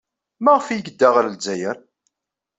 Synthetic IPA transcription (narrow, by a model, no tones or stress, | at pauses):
mæʁfijɡəd̪ːæʁld͡zːæjəɾ